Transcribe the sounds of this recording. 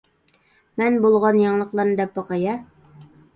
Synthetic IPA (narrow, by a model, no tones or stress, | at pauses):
mænbulˠʁɑnjɑɴlˠɤ̆qlˠɑɾnd̪æpːɑqɑjɑ